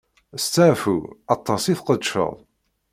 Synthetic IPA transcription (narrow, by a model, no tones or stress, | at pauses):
st͡sːaʕfuɑt̪ˤːɑsiθqəd̪ʃə̰ðˤ